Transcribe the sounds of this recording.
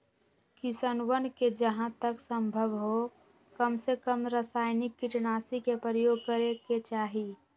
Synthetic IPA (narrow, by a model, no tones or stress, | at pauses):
kɪsənwənked͡ʒəɦãt̪əksə̃mbʱəʋɦo | kəmsekəmɾəsaːɪnɪkːɪʈnaːsikepɾəjoːɡ̚kəɾeket͡ʃaːɦiː